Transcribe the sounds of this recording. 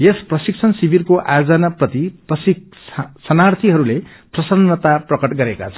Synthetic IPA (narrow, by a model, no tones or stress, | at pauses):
jesprʌsik̚t͡sʰʌnsibʱirkoʔa̰jod͡zʌnaprʌt̪iprʌsi | sʌnart̪ʰiɦʌɾule | prʌsʌnːʌt̪aprʌkʌʈɡʌɾeka̰t͡sʰʌ